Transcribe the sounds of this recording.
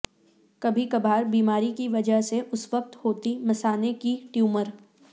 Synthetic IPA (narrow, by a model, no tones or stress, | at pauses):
kɐbʱikɐbʱaːɾbiːmaːɾikiʋɐd͡ʒəɦseʔʊsʋək̚t̪hoːt̪imɐsaːnekiʈjuːməɾ